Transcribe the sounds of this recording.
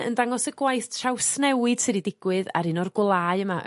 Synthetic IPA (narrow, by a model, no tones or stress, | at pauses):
ə̰ndaŋɔsəɡwajθtʃawsnɛwɨd̥sɨɾidɪɡ̥wɨða̰ɾɨnɔrɡwlˠaːɨəma